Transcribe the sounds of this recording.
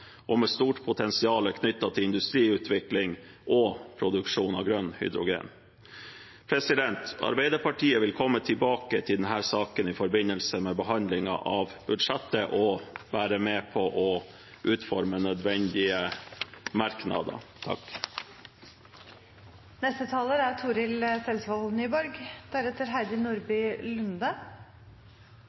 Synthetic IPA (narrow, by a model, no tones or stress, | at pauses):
ʔɔmɛst̪uːʈpʰʊt̪ʰɛnsɪɑːləkʰnʏt̪ːɑt̪ʰɪɪnd̪ʉst̪ɾiːʉːt̪ʰʋɪklɪŋ | ʔɔpʰɾʊd̪ʉkʂuːnɑ̰ʋɡɾœnhʏ̰d̪ɾʊɡḛːn | pʰɾɛsɪd̪ɛnt̪ɑ̰ɾbæɪd̪əɾpʰɑʈʰiːəʋɪlkʰɔmːət̪ʰɪbɑːkət̪ʰɪld̪ɛnɦæːɾsɑːkənɪfɔɾbɪnːəlsəmɛbəɦɑnd̪lɪŋɑ̰ʔɑʋb̥ʉd̪ʂɛt̪ːəʔɔʋæːɾəmeːpʰɔʔɔ | ʔʉːt̪fɔɾmənœd̪ʋɛnd̪ɪə | mɑɾknɑ̰d̪ə̰t̪ʰɑ̰k | nɛst̪ət̪ʰɑːləæt̪ʰuːɾɪlsɛlsʋɑlnyːbɔɾɡd̪̥æɾɛt̪ːəɾɦæɪd̪ɪnuːɾbyːlʉnd̪ɑ